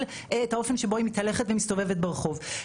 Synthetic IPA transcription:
l | eethao̞fenʃebo̞imithɐleχetvemistove̞vet̚beʁeχo̞v

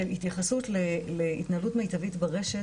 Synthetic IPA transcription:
elit̪jaχasutleleit̪naalutmejtavitbaʁeʃe

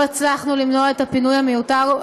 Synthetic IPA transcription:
et͡slaχnulimnoae̞t̪apinujhamejutaʁ

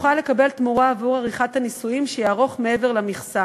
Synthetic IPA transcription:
χale̞kabe̞lt̪muʁaːvuʁaʁiχat̪hanisujimʃejaaʁo̞χme̞e̞ve̞ʁlamiχsa

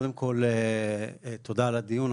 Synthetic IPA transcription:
d̪emkʰol | t̪od̪alad̪ijun

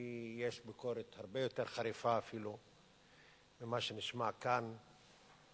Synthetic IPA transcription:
jeʃbikoɾet̪haʁbejo̞t̪e̞ʁχaɾifaːfilu | mimaʃeniʃmakan

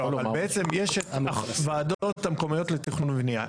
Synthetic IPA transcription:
avalbeet͡se̞mjeʃavaːdootamkomajo̞tleteχnunvnia

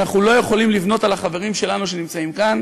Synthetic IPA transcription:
naχulo̞je̞χo̞limlivno̞t̪alaχave̞ʁimʃe̞lanuʃe̞nimt͡saimkan

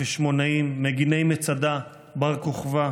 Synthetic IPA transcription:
eʃmo̞naimːeɡinejmet͡sad̪a | baʁkoχva

